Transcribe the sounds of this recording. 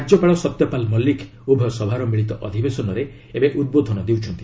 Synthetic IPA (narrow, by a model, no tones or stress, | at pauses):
aɾd͡ʒɔpaɭɔsɔt̪jɔpalmɔlːikʰ | ubʱɔsɔbʱaɾɔmiɭit̪ɔʔɔd̪ʱibesɔnɔɾe | ebeʔud̪̚bod̪ʱɔnɔd̪ewt͡ʃʰɔnt̪i